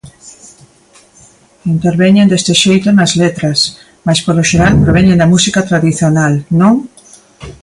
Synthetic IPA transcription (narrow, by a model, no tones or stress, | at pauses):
int̪eɾβɛɲẽnd̪est̪ɪʃejt̪ʊnɐzlet̪ɾɐs | maspoloʃeɾalpɾoβ̞ɛɲẽnd̪ɐmusikat̪ɾaðiθjonalnõŋ